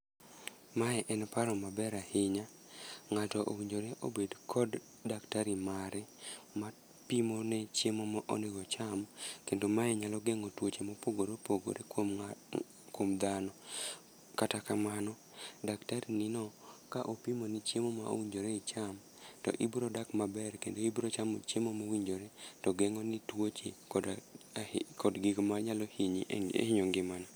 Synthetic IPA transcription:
maɛʔɛnpaɾɔmabɛɾahɪɲa | ŋatɔʔo̰wiɲd͡ʒoɾeʔo̰bedkʰɔdː | aktaɾimaɾɛma | pimonɛt͡ʃemomaʔoneɡɔt͡ʃamkendomaɛɲalɔɡeŋotwot͡ʃemɔpoɡoɾopoɡo̰ɾʔek | komd̪anɔ | katakamanɔ | daktaɾininɔkaʔopimonit͡ʃemomao̰wiɲd͡ʒoɾeit͡ʃam | tɔ̰ʔibɾodakmabɛrkendoibɾot͡ʃamo̰t͡ʃemomowiɲd͡ʒoɾetɔɡɛŋɔnitwot͡ʃekd | kɔdɡɪɡmaɲalohiɲiḛhiɲoŋɡɪmana

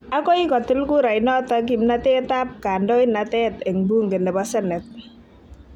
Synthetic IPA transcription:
akɔikɔt̪ɪlkuɾajnɔt̪ak̬imnat̪ɛt̪ap̚kandɔjnat̪ɛt̪ɛŋbuŋɡɛndɛbasɛnɛt̪̚

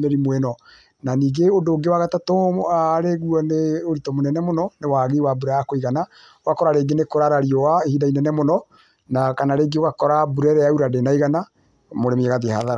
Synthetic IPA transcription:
mɛɾimwɛnɔ | naniːɡeodoːɡewaɣatatoɾeɣuɔneoɾitɔmonɛnɛmonɔnewaɣewabuɾajakoiɣana | wakɔɾaɾeɡenekoɾaɾaɾiɔwaehidainɛnɛmonɔ | nakanaɾeːɡewakɔɾabuɾɛɾɛauɾadenaiɣana | moɾemɛɣaðehaðaɾa

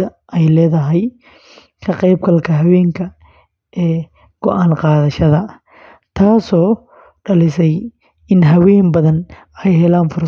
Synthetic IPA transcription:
ɐʔɛjlɛːðɐɦɛj | kʰɐqɛjb̚kɐlkʰɐɦɐwɛːŋkʰɐ | ɛː | ɡ̥ɔʔaːnqɑːðɐʃɐðɐ | t̪ʰaːsɔː | ɖɐlɪsɛj | ɪnɦɐwɛːnbɐðɐn | ɛjɦɛlaːnfʊr

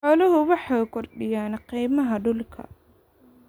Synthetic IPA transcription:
ħɔːlɐɦʊwɑħɑkʰɔrɖɪjaːnqijmɐɦɐɖʊlkʰɐ̰

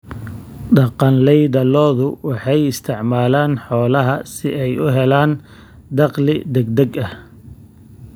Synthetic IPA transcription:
ɖɑqɑnlɛjðɐlɔːðʊwɑħɑjɪst̪ʰɪʕmaːlaːnħɔːlɐɦɐsɪʔɛjʔʊɦɛlaːn | d̪ɑqlɪd̪ɛɡ̚d̪ɛɡɐh

